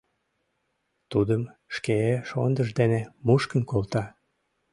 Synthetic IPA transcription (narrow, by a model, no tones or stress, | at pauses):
t̪ud̪əmʃkeeʃo̰nd̪əʒd̪enemuʃkənkolt̪ɑ